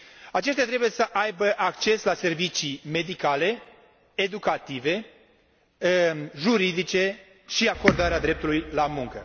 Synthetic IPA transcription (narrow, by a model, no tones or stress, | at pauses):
at͡ʃe̞ʃt̪jat̪ɾebuje̞səʔajbəʔak̚t͡ʃe̞slase̞rvit͡ʃime̞d̪ikale̞ | ed̪ukat̪ive̞ | ʒuɾid̪it͡ʃe̞ | ʃiako̞rd̪aɾead̪ɾe̞p̚t̪ulujlamuŋkə